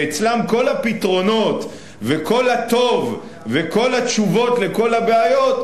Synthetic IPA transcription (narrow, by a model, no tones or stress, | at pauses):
et͡slamko̞lapit̪ʁo̞no̞t̪ | veko̞lhat̪o̞v | veko̞lat͡ʃuvo̞t̪le̞ko̞labeajo̞t̪